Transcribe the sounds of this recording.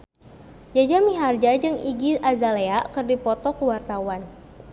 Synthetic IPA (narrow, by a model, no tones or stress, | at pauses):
d͡ʒad͡ʒamiɦard͡ʒad͡ʒɨŋiɡisazaleaʔkɨrdipɔt̪ɔkuwart̪awan